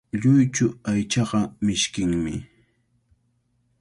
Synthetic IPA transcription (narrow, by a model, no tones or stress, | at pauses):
ʎʊjt͡ʃʊajt͡ʃɑɢɑmɪʃkɪŋmɪ̰